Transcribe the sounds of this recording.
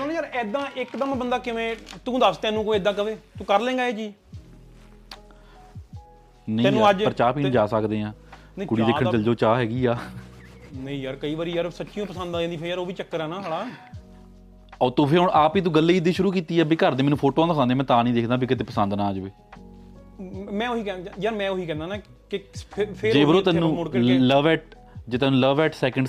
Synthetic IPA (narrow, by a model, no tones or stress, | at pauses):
nːjaːɾɛd̪ãːʔɪkd̪əmbənd̪aːkɪʋẽːt̪ũːd̪əst̪ɛ̃ːnũːkoːɪd̪ãːkəʋeːt̪ũːkəɾlẽːŋɡaːeːd͡ʒiː | nəiɛ̃ːnũːəd͡ʒpəɾət͡ʃaːpiːñːd͡ʒaːsəkd̪eːãː | kʊɽiːd̪eːkʰːəɳt͡ʃəld͡ʒoːt͡ʃaːɦɛːɡiːaː | nəĩjaːɾkəiːʋaːɾiːjaːɾsətːʃijõːpəsə̃nd̪ãːd̪iːpʰejaɾoːʋiːt͡ʃəkːəɾaːnãːɦəɽaː | ɔːt̪õːpʰeɾɦʊɳʔaːpiːt̪̬ũːɡəlːeːɪd̪iːʃʊɾuːkiːt̪iːɛːbiːkəɾd̪eːmɛːnũːpʰoːʈoːãːnd̪aːkãnd̪ẽːmɛ̃ːt̪ãːnĩːd̪eːkʰd̪ãːbiːkɪt̪̬eːpəsənd̪nãːəd͡ʒbiː | mɛ̃ːoiːkɛ̃jaːɾmɛ̃ːoɦiːkɛ̃ːnd̪aːnaː | kepʰpʰed͡ʒeːʋəɾõːt̪ɛːnnũːɽləʋɛːʈ̚ | d͡ʒeːt̪ɛːnũːləʋɛːʈsɛːkəɳɖ